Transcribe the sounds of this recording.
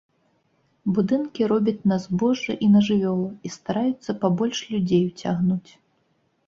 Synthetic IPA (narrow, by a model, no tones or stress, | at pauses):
bud̪ɨnkʲiɾɔbʲɐt͡sʲnɐzbɔʐɨʔinɐʐɨvʲɔlˠɐist̪aɾajut̪sːɐpabɔlʲʂlʲud͡zʲejwt͡sʲaɣnut͡sʲ